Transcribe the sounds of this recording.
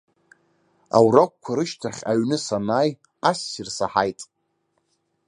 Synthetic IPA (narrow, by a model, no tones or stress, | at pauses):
a̰wrak̚ʷkʷʰaɾɨʃtʰaχʲaɥnɨsanaːj | asːirsaħajtʼ